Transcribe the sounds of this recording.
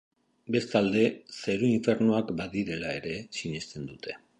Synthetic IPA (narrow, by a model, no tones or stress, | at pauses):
be̞st̪ald̪e̞seɾuiɱfe̞ɾnoakbaðiɾe̞lae̞ɾe̞siɲe̞st̪e̞nd̪ut̪e̞̥